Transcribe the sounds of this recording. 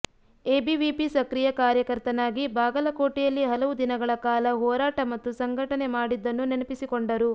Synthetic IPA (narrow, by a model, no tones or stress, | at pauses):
e̞ːbiʋipisɐkɾijɐkaːɾjɐkɐɾt̪ɐnaːɡibaːɡɐlɐkoːʈɛjɐlːiɦɐlɐʋud̪inɐɡɐɭɐkaːlɐɦɔːɾaːʈɐmɐt̪ːusɐŋɡʱɐʈɐnemaːɽid̪ːɐnːunenɐpisikoɳɖɐɾu